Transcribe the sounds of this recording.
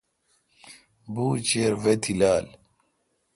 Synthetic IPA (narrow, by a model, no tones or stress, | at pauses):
buːt͡ɕeːɾvet̪ʰilaːl